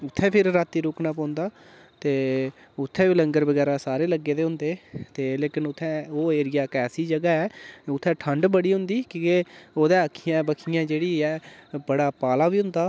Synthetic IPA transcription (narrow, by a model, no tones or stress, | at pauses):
ʊt̪ʰːɛ̃ːpʰɪɾɾaːt̪ːiːɾʊːknaːpɔ̃ːnd̪aː | t̪eː | ʊt̪ʰːɛ̃ːbiləŋɡəɾbəɡɛːɾaːsaːɾeːləɡːeːd̪eːɦʊ̃nd̪eːt̪eːleːkɪnʊt̪ʰːɛ̃ːoːeːɾɪjaːkɛːsiːd͡ʒəɡaːɛːʊt̪ʰːɛ̃ːʈʰəɳɖbəɽiːɦʊ̃nd̪iːkioːd̪ɛːəkʰijãːbəkʰijãːd͡ʒeːɽiːɛːbəɽaːpaːlaːbiːɦʊ̃nd̪aː